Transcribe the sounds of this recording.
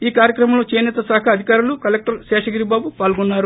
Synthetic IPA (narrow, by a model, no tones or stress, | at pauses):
iːkaːɾjɐkɾɐmɐmloːt͡ʃeːjnɛt̪ɐsaːkʰɐɐd̪ʱikaːɾulukɐlek̚ʈɐɾʃɛːʂɐɡiɾibaːbupaːlɡunːaːɾu